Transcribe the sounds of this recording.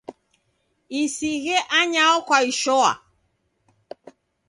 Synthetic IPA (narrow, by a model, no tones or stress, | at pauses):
isiɣɛʔaɲaɔkwaiʃɔa̰